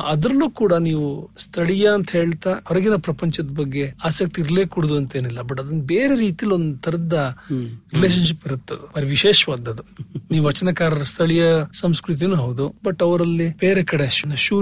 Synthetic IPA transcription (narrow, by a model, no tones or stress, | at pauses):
ɐd̪ɾɐlːuːkuːɽɐniːʋust̪ʰɐɭijɐɐnt̪ɐɦe̞ːɭt̪aɐɾɐɡinɐpɾɐpɐɲt͡ʃɐd̪ɐbɐɡːe̞aːsɐk̚t̪iːɾɐleːkuːɽɐd̪uɐnt̪e̞ːnilːɐbɐʈːɐd̪ɐnɐbeːɾe̞ɾiːt̪ijɐlːuo̞nd̪ut̪ʰːɐɾɐd̪ɐɾileːʃ̬ɐnʃipiɾut̪ːɐd̪ubɐɾiʋiʃeːʃɐʋaːd̪ːɐd̪uniːʋuʋɐt͡ʃɐnɐkaːɾɐɾɐst̪ʰɐɭijɐsɐmskɾut̪̬inuːɦɐwud̪ubɐʈːɐʋɐɾɐlːib̥eːɾekɐɽenɐʃuː